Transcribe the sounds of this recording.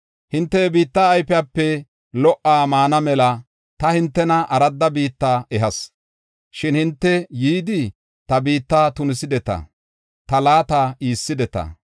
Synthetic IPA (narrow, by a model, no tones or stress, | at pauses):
hɪnt̪ːɛbiːt̪ːaːjpɛapːɛ | lɔʔːaːmaːnɐmɛlɐ | t̪ɐhɪnt̪ːɛnɐʔɐɾɐd̪ːɐbiːt̪ːaːɛɦɐs | ʃɪnhɪnt̪ːɛjiːd̪ɪ | t̪ɐbiːt̪ːaːt̪ʊnɪsɪd̪ɛt̪ɐ̰ | t̪ɐlaːt̪aiːsːɪd̪ɛt̪ɐ̰